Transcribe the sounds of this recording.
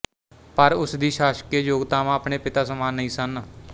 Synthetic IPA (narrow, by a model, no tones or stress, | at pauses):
pəɾʊsd̪iːʃaːʃkeːd͡ʒoːɡt̪aːʋãːəpɳeːpɪt̪aːsəmaːnːəĩːsən